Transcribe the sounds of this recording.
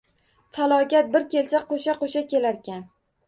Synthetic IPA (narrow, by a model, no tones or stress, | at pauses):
falˠɒkʲat̪̚bɪɾkʲe̞lsaqʰoʃaqoʃakʲe̞laɾkʲan